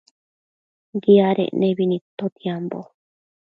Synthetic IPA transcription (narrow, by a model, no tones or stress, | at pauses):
ɡiaɾḛʔnẽβinĩt̪ot̪iambo̰